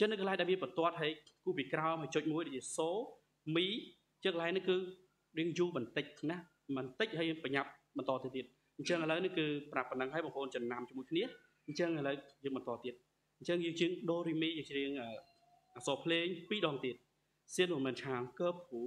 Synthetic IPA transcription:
ɲt͡ɕənɨkːəlaɛk̚ɗaɛlmiənpɑnt̪ŏət̪̚ɦajkuːpiːkraɔmɦəjt͡ɕoːc̚muəjɗoj̚t͡ɕiəsoː | miː | t͡ɕɨːəŋkəlaɛnɨŋkɨː | riəŋjuːɓɑnt̪ɨc̚na | mɨnt̪ɨc̚hajəːŋpaɲap̚ɓɑnt̪ɑːt̪iət̪iət̪̚ | ɲt͡ɕəŋʔələwnɨŋkɨːprapːənəŋɦaəjɓɑŋɦoːnt͡ɕənːamt͡ɕmuəjkʰniə | ɲt͡ɕəŋələwjəːŋɓɑnt̪ɑ̆ːt̪iət̪̚ | ɲt͡ɕəŋjəːŋt͡ɕiəŋɗoːɾiːmiːjəːŋt͡ɕɾiəŋʔəː | ʔaːsɑːpʰleːŋpiːɗɑːŋt̪iət̪̚ | siənmuməːnt͡ɕʰaːŋkəːp̚ːu

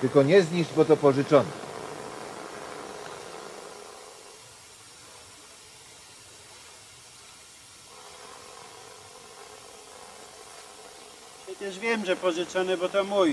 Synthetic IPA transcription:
t̪ɘlkɔɲɛzɲiʐd͡ʑbɔt̪ɔpɔʐɘt͡ʂɔnɛ | ɕɛt̪ɛʐvʲjɛmʐɛpɔʐɘt͡sɔnɛbɔt̪ɔmːuj

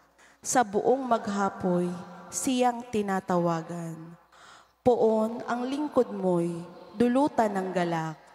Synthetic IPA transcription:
sɐbʊʔoŋmɐɡɦaːpojsɪjaŋt̪ɪnaːt̪ɐwaːɡɐn | pʊʔonɐŋlɪŋkod̪̚mojd̪ʊluːt̪ɐnɐŋɡɐlak̚

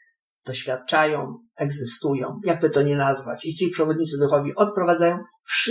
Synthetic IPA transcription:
d̪̥ɔɕfʲjat̪̚t͡ʂajɔ̃w̃ | ɛɡzɘst̪ujɔ̰̃w̃jaɡ̚bɘt̪ɔɲɛnazvat͡ɕit͡ɕipʂɛvɔd̪ɲit̪sɘd̪ʊxɔvʲiʔɔt̪̚pɾɔvad̪zajɔ̃w̃ | fʂ

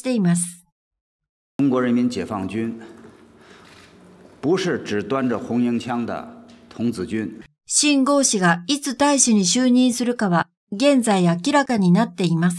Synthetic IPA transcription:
t̪e̞imasɨ̥ | ʈ͡ʂʊŋkwɔɻənmint͡ɕjɛ̰fɑŋt͡ɕyn | puʂɻ̩ʈ͡ʂɻ̩t̪wanʈ͡ʂəxʊŋjiŋt͡ɕʰjɑŋd̪ə̰t̪ʰʊŋt͡sɹ̩t͡ɕyn | ɕĩŋɡo̞ːɕiɡait͡sɨt̪aiɕiɲ̟iɕɨːɲ̟ĩɰ̃sɨɾɯ̟kaβa | ɡẽ̞nd͡zaiakʲiɾakaɲ̟inat̪ːe̞imasɨ̥

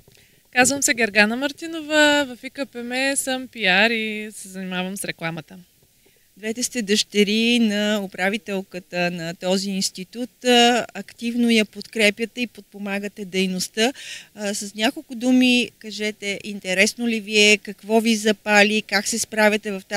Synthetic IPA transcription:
kazvəmsɛɡɛɾɡanəmɐɾt̪inovəvɐfikəpɛmɛsəmpiaɾisɛzənimavəmsɾɛklˠamət̪ə | d̪vɛt̪ɛst̪ɛd̪əʃt̪ɛɾinɐʊpɾavit̪ɛlˠkət̪ənɐt̪ɔziːnst̪it̪ut̪ɐkt̪ivnojɐpot̪kɾɛpjət̪ɛipot̪̚pomaɡət̪ɛd̪ɛjnost̪əsɐsnʲakolˠkʊd̪umikɐʒɛt̪ɛʔint̪ɛɾɛsnoliviɛkɐkvɔvizɐpalʲikaksɛspɾavʲət̪ɛvɐft̪a

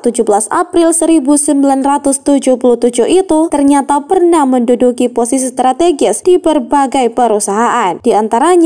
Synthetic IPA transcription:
t̪ud͡ʒubəlasapɾɪlsəɾibusəmbilanrat̪ʊst̪ud͡ʒʊhpuluht̪ud͡ʒʊhit̪ut̪ərɲat̪apərnahməndudukiposisist̪ɾat̪eɡɪsd̥ibərbaɡajpəɾusaɦaʔand̥iant̪aɾaɲ

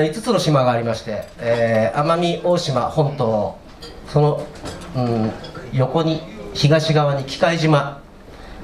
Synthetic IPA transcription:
it͡sɨ̥t͡sɨno̞ɕimaɡaːɾʲimaɕi̥t̪e̞eːamamʲiʔo̞ːɕimahõ̞nt̪o̞ː | so̞no̞ɯ̟̃jo̞ko̞ɲ̟içiɡaɕiɡaβaɲ̟ikʲi̥kaiʑima

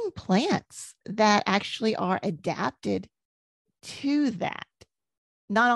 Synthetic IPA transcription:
ŋpʰl̥æ̃ntsðɨɾæk̚t͡ʃul̩ˠiʔə˞ʔɨdæ̰p̚tɪd̚ | tʰɨðæ̰t̚ | nəɾ

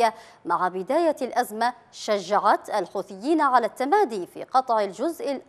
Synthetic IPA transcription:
a | maʕabɪd̪aːjalʔazma | ʃaʒːaʕat̪ʔalħuːθɪjːiːnaʕalat̪ːamaːd̪iːfḭːqɑt̪ˤʕɪld͡ʒʊzʔɪl

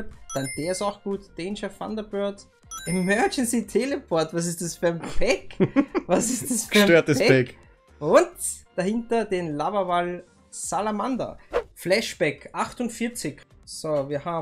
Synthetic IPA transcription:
td̥and̥eːɐɪsaʊxɡ̥uːtd̥ɛnʃəfa̰ndɐbœɐt | ʔemœɐd͡ʒɛnsitʰelɛpʰɔɐtvas̬ɪstasfyɐmpʰɛkvasɪstasfyɐøːɐtɛɛɛk | ʊntd̥ahɪntɐdenlabɐval | salamanda̰flɛʃb̥ɛkʔaxtʊntfɪɐt͡sɪçsoviːɐhaːb

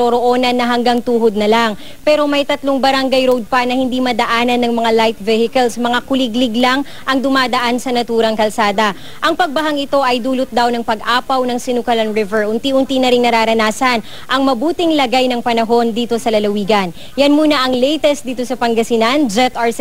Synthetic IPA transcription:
oɾoʔo̞nɐnːɐɦɐŋɡaŋt̪uːɦod̪̚nɐlaŋ | pɛːɾo̞mɐjt̪ɐt̪loŋbɐɾaŋɡajɾowd̪̚pɐnɐhɪnd̪imɐd̪ɐʔaːnɐnːɐŋmɐŋalajt̪̚vɛhɪkɐlsmɐŋakʊlɪɡlɪɡlaŋ | ʔɐŋd̪ʊmaːd̪ɐʔansɐnɐt̪uːɾɐŋkɐlsaːd̪ɐ | ʔɐŋpɐɡ̚bɐɦaŋɪt̪o̞ʔɐjd̪uːlʊt̪̚d̪awnɐŋpɐɡʔaːpɐwnɐŋsɪnukɐlɐnɹɪvɛɹʔʊnt̪iʔʊnt̪inɐɾɪŋnɐɾaːɾɐnaːsɐn | ʔɐŋmɐbuːt̪ɪŋlɐɡajnɐŋpɐnɐɦo̞nd̪iːt̪o̞sɐlɐlɐwiːɡɐn | jɐnmuːnɐʔɐŋlɛjt̪ɛst̪̚d̪iːt̪o̞sɐpɐŋɡɐsɪnand͡ʒɛt̪ʔaɹ

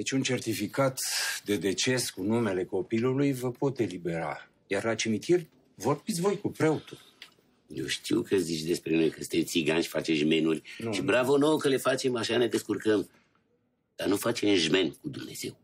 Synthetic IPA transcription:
et͡ʃʲunt͡ʃe̞rt̪ifikat̪d̪e̞d̪e̞t͡ʃe̞skunume̞le̞ko̞pilulujvəpo̞t̪e̞libe̞ɾa̰ | jarlat͡ʃimit̪irʲ | vo̞rbit̪sʲvo̞jkupɾeot̪ul | jewʃt̪iwkəzit͡ʃd̪espɾeunojkəsɨ̥t̪et̪siɡanʃi̥fat͡ʃeʒme̞nurʲʃibɾavonowkəle̞fat͡ʃe̞maʃaned̪eskurkəm | d̪̥anufat͡ʃe̞mʒme̞nkud̪umne̞̰z̥e̞w

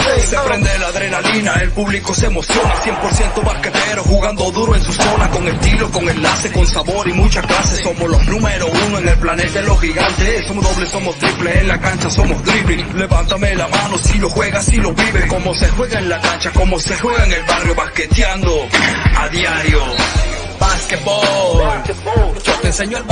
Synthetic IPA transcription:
sepɾe̞nd̪elaðɾenalinaelpuβliko̞semo̞sjo̞nasje̞mpoɾsje̞nt̪oβaskefeɾoxuɣand̪oðuɾoensuso̞nako̞ŋest̪iloko̞ŋe̞nlase̞konsaβo̞ɾimut͡ʃakase̞so̞molo̞znũmeɾounoeŋe̞lplane̞t̪ailo̞xiɣant̪esomoðoβleso̞most̪ɾipleenlakant͡ʃaso̞mosd̪ɾipile̞βant̪amelamano̞silo̞xwe̞ɣasiloβiβeko̞mosexwe̞ɣaenlakant͡ʃako̞mose̞xweɣaeŋe̞lbarjo̞βasket̪jand̪o̞aðjaɾjo | basket̪̚bo | d͡ʒot̪enseɲoe

